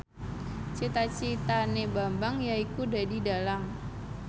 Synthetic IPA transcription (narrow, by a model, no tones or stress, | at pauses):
t͡ʃit̪at͡ʃit̪anebambaŋjaikudadidalaŋ